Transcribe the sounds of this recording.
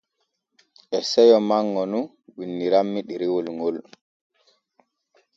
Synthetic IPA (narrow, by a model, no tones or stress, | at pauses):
ʔɛsɛjɔmaŋːɔnu | winːiɾamːiɗiɾiwɔlŋɡol